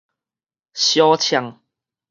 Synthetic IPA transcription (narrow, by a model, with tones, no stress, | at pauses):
ɕjɔ˦t͡ɕʰja˧ŋ